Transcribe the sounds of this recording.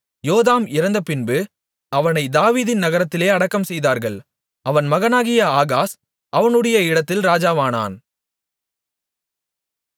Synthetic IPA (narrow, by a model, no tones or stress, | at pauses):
joːðaːmɪɾɐnd̪ɐpɪnbɯ | ɐʋɐnɐɪd̪aːʋiːðɪnnɐɣɐɾɐt̪ːɪleːɐɽɐkːɐmsɛjðaːɾɣɐɭ | ʔɐʋɐnmɐɣɐnaːɣɪjɐaːɣaːs | ʔɐʋɐnɯɽɐjɐɪɽɐt̪ːɪlɾaːd͡ʒaːʋaːna̰ːn